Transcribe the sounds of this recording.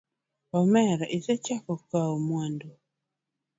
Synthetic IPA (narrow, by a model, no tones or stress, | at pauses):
ɔmɛɾʔɪsɛt͡ʃakɔkaomwando